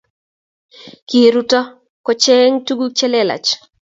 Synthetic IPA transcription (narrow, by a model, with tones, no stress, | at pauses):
ki˨ɾu˦tɔ˦ | kɔ˨t͡ʃe˦ŋtu˦ɡu˦t͡ʃɛ˦lɛ˦˨la̰˨t͡ʃ